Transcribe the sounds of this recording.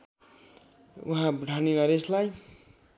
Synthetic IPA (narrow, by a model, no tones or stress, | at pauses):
uɦãbɖʱaninaɾeslaj